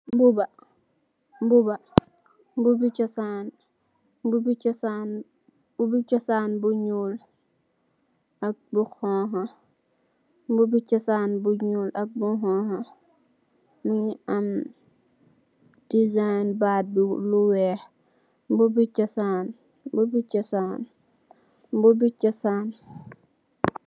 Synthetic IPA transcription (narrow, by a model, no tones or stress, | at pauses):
mbubɐ | mbubɐ | bubit͡ʃɔsaːn | bubit͡ʃɔsan | b̥ubit͡ʃɔsaːnbuɲuːl | ɐk̚buxɔ̃ːɦa | mbubit͡ʃɐsaːnbuɲulɐk̚buɦɔ̃ːɦɐ | muɲiɐm | d̥izajnbaːt̚bluwɛːh | bubit͡ʃɐsaːn | bubit͡ʃɐsaːn | bubit͡ʃɐsaːn